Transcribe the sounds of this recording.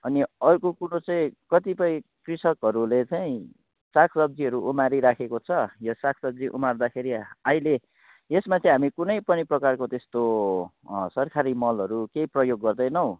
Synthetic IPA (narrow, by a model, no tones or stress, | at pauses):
ʌniʌrkokuɽot͡saĩkʌt̪ipʌĩkrisʌkɦʌɾulet͡saĩ | sakʰsʌb̚d͡ziɦʌɾuʔumaɾiɾakʰekot͡sʰʌjosakʰsʌb̚d͡ziʔṵmard̪akʰeɾiaɦile | esmat͡saĩɦamikunʌjpʌniprʌkarkot̪est̪o | sʌrkʰaɾimʌlɦʌɾukeiprʌjoɡːʌrd̪ʌjnʌw